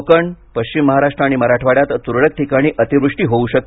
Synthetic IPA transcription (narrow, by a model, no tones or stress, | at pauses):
kəɳpəɕt͡ɕimːəɦaɾaʂʈɾəaɽ̃iməɾaʈʰʋaɽjat̪t̪uɾɭək̚ʈʰikaɽ̃iːʔət̪iʋɾuʂʈiːɦouɕək̚t̪